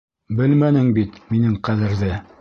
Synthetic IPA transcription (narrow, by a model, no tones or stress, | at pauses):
bɘlmænɘŋbit̪minɘŋqæðɘ̆ɾðɘ